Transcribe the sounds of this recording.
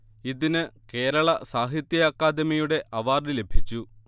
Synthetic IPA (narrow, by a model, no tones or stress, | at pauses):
iðinɨke̞ːɾɐɭɐsaːɦit̪jɐɐkːaːd̪ɐmijuɽe̞ʔɐʋaːrile̞bʱit͡ɕːu